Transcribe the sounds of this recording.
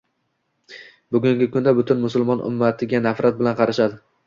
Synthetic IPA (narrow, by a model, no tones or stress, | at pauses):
bʊɡʲʊŋɡʲɪkʰʊnd̪abʊt̪ʰʊnmʊsʊlˠmɒnʔʊ̰mːat̪ʰɪɡʲanafɾat̪̚bɪlanqʰɑɾaʃad̪ɪ